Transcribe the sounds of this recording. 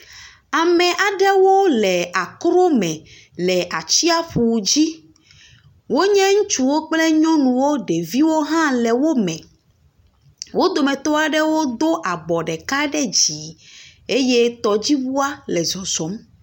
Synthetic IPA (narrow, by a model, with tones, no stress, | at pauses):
a˨mɛ̃˨ʔa˨ɖɛ˦wo˦lɛ˨a˨kɾo˦mɛ̃˨ | lɛ˨ʔa˨t͡ɕi˦a˦ɸu˨d͡ʑi˦ | wo˦ɲɛ̃˦ŋũ˦t͡ʃu˦wo˦k͡plɛ˦ɲɔ̃˦nũ˨wo˦ɖe˨vi˦wo˦ɦã˦lɛ˨wo˦mɛ̃˨ | wo˦d̪o˨mɛ̃˨t̪ɔ˦a˨ɖɛ˦wo˦d̪o˦ʔa˨bɔ˨ɖɛ˨ka˦ɖɛ˦d͡ʑi˨e˦je˦t̪ɔ˨d͡ʑi˦wu˦a˦lɛ˨zɔ˨zɔ˨˦m